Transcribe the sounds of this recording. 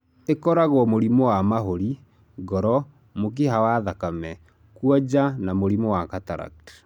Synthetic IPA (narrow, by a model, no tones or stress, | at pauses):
ekɔɾaɣwɔmoɾimɔwamaɦoɾi | ɡɔɾɔ | mok̬eɦawaðakamɛ | kwɔd͡ʑanamoɾimɔwakataɾa̰kt